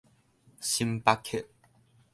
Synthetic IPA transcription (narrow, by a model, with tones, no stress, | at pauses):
ɕi˧mpa˦˥kʰːe˥˨ʔ̚